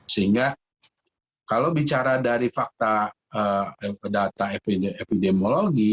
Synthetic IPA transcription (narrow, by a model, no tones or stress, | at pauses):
səiŋɡa | kalawbit͡ʃaɾadaɾifak̚t̪a | ədat̪aepepidemoloɡi